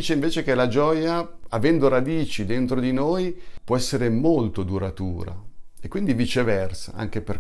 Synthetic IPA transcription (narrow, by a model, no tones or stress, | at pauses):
t͡ʃeiɱveːt͡ʃek̟elad͡ʒɔːjaavɛnd̪oɾad̪iːt͡ʃid̪ent̪ɾod̪inoːjpwɔɛsːeɾemolt̪od̪uɾat̪uːɾa̰ekːwind̪ivit͡ʃevɛrsa̰a̰ŋk̟eper